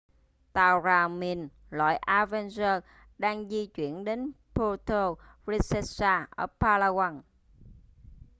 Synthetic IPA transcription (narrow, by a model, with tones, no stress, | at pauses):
t̪aː˨˩wzaː˨˩mi˧˩n | lwa̰ː˧˨jʔaː˧vɛ˧nzəː˧ | ɗaː˧ŋzi˧t͡ɕwḭ˧˩˨ənɗe˨˦npo˧t̪o˧ | vi˧sɛ˧saː˧ʔə̰˧˩paː˧laː˧ɣa˧n